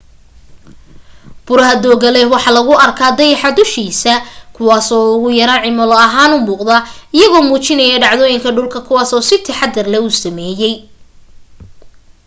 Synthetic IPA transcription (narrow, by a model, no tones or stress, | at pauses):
b̥ʊɾɐɦɐd̪ɔːɣɐlɛhwɑħɑlɐɣʊɐrkʰaːd̪ɐjɐħɑd̪ʊʃiːsɐkʰʊwɑːsɔːʊɣʊjɐɾɐnʕɪmɐlɔɐɦaːnʊmuːqd̪ɐɪjɐɣɔːmuːt͡ʃɪnɐjɛɖɑʕðɔːjɪŋkʰɐɖʊlkʰɐkʰʊwɑːsɔːsɪt̪ʰɪħɑd̪ːɐrlɛʊsɐmɛːjɛj